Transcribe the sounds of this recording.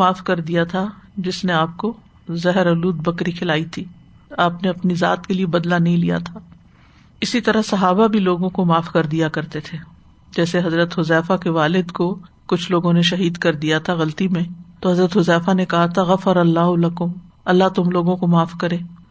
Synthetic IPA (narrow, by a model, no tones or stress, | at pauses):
aːfkɐɾd̪ijat̪ʰad͡ʒɪsneaːp̚ko | zɛɦɾɐluːd̪̚bɐkɾikʰɪlaːit̪ʰiː | aːpneɐpniza̰ːt̪keliebɐd̪lanɐɦĩlija̰t̪ʰaː | ɪsit̪ɐɾəsɐɦaːbabʱiloːɡõkomaːfkɐɾd̪ijakɐɾt̪et̪ʰeː | d͡ʒɛːseɦɐzɾət̪hʊzɛːfakeʋaːlɪd̪ko | kʊt͡ʃʰloːɡõneʃɐɦiːd̪kɐɾd̪ijat̪ʰaɣɐlt̪imẽt̪oɦɐzɾət̪ɦʊzɛːfanekɐɦat̪ʰaɣɐfəɾɐlːaːɦʊlɐkʊm | ɐlːat̪ʊmloːɡõkomaːfkɐɾẽː